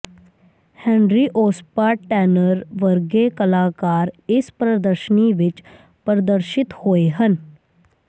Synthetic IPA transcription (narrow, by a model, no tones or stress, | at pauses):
hɛ̃ːnɾiːʔoːspaːʈʈɛːnəɾʋəɾɡekəlaːkaːɾɪspɾəd̪əɾʃəniʋɪt͡ʃ | pəɾəd̪əɾʃɪt̪hoːeɦən